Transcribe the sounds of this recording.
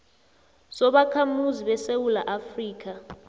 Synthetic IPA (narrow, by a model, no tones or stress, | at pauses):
sɔɓakʰamuziɓɛsewulaʔafriːk̬ʰa